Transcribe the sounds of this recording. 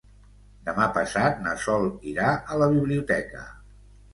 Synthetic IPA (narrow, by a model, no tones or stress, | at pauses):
d̪əmapəsat̪̚nəsɔlˠiɾaʔələβ̞iβliut̪ɛkə̰